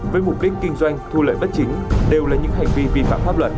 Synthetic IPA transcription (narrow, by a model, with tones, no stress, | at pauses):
vəː˨˦jmʊ˨˩k͡p̚ɗi˦˥k̟ːï˧ŋ̟zwa˧jŋ̟t̪ʰu˧lə̰ː˧˨jɓə˦˥t̚t͡ɕï˨˦ŋ̟ɗe˨˩wlaː˨˩ɲɨ̰˧˥ŋɦa˨˩jŋ̟vi˧vi˧fa̰ː˧˨mfaː˦˥p̚lwə˨˩t̚